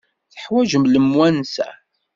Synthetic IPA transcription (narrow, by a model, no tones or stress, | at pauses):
θə̥ħwæʒəmləmwænsæ̰